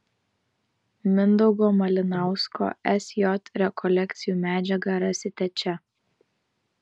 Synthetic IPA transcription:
mʲɪnd̪ɔʊɡoːmɐlʲɪnɑˑʊsko̰ːɛsʲjɔt̪ɾʲɛkʰɔlʲɛkʲt̪sʲɪjuːmʲæːd͡ʒʲɛɡɐɾɐsʲɪt̪ʲɛt͡ʃʲɛ

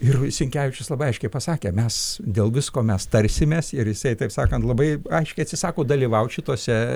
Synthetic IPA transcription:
ɪrsʲɪŋʲkʲæːʋʲɪt͡ʃʲʊslˠɐbɐɪɐɪʃkʲɛɪpɐsɑːkʲeːmʲɛsdʲeːlˠʋʲɪskoːmʲɛst̪ɐɾʲsʲɪmʲeːsɪɾjɪsɐɪt̪ɐɪpsɑːkɐnt̪lˠɐbɐɪɐɪʃʲkʲɛɪɐt̪ʲsʲɪsɑːkoːd̪ɐlʲiːʋɐʊʃʲɪt̪oːsʲɛ

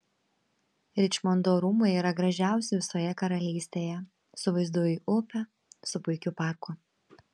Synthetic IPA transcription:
ɾʲɪt͡ʃʲmɔnd̪oːɾuːmʊiːɾɐɡɾɐʒʲæˑʊsʲɪʋʲɪsoːjɛkɐɾɐlʲiːsʲt̪ʲeːjɛ | sʊʋɐɪzd̪uɔjiːʔʊpʲɛ | sʊpʊɪkʲʊpɑˑɾkʊ

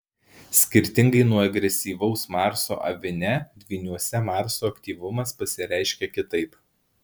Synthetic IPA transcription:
sʲkʲɪɾʲt̪ʲɪŋɡɐɪnuɔɐɡɾʲɛsʲiːʋɐʊsmɑˑɾso̰ːʔɐ̰ʋʲɪnʲɛd̪ʲʋʲiːnʲuɔsʲɛmɑːˑɾsoːɐkt̪ʲiːʋʊmɐspɐsʲɪɾʲæˑɪʃʲkʲɛkʲɪt̪ɐɪp

